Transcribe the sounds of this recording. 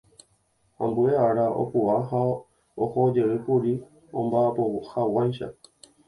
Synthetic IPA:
õmbueaɾao̰puaɦa | ohod͡ʒe̞ɨkuɾi | õmbaapohawajʃa̰

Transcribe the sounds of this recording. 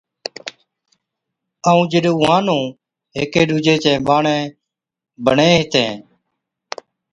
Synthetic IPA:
əːũːd͡ʒɪɗoːʋãːnõː | ɦḛːkeːɖuːd͡ʒeːt͡ʃɛ̃ːɓaːɳẽː | bəɳẽːɦɪt̪ḛ̃ː

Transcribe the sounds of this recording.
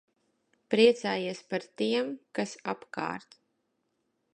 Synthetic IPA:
pɾiɛt̪saːjiɛspaɾt̪iɛmkasapka̰ːɾt̪

